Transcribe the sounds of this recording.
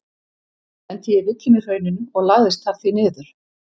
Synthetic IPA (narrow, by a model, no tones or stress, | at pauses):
ɛnt̪ʰɛɛɾvɪt̪lɪmɪ̥hœɥnʏnɔɣlaɣðɪst̪θaɾ̥θvinɪːðʏɾ̥